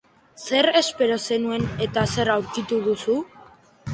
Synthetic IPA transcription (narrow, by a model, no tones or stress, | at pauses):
se̞ɾe̞spe̞ɾo̞se̞nue̞ne̞t̪ase̞ɾawɾkit̪uð̞usu